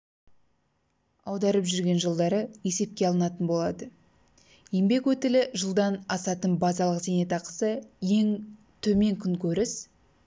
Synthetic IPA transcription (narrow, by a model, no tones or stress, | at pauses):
ɑwd̪ɑɾəpʒʏɾɡʲe̞nʒəlˠd̪ɑɾəe̞se̞p̚kʲe̞ɑlˠənɑt̪ənbo̞lˠɑd̪ə | jembe̞kwɵt̪ɪlɪʒəlˠd̪ɑnɑsɑt̪ənbɑzɑlˠəqze̞ne̞t̪ɑqə̥səje̞ŋ | t̪ʰɵme̞ŋkʲʰʏŋkʲʰɵɾɪs